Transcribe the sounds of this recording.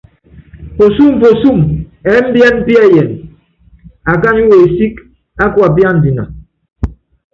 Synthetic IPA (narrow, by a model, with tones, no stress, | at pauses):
po˨su˦˨m˨po˨su˦˨mɛ˨˦m̩˦bjɛ˦nm̩˦pi˦a˦˨jɛ˨n | a˨ka˦ɲu˦we˨e˨si˦k | a˦kwa˨p̬ja˦n̩˨di˨na̰˨